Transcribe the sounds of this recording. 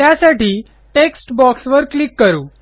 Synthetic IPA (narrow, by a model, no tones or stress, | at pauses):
t̪jasaʈiː | ʈeksʈbɔksʋəɾklikːəɾuː